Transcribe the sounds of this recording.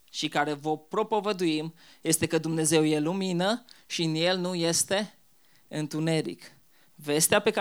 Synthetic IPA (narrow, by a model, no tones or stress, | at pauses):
ʃikaɾe̞vopɾo̞povəd̪uimje̞st̪e̞kəd̪umne̞ze̞wje̞luminəʃiɨnje̞lnuje̞st̪e̞ | ɨnt̪une̞ɾḭk | ve̞st̪eape̞k